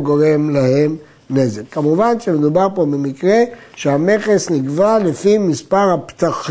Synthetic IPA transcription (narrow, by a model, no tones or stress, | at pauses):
ɡo̞ʁe̞mlahe̞m | ne̞zekːamuvanʃemed̪ubaʁpo̞bemikʁe̞ʃeame̞χesniɡvalefimispaʁhapt̪aχ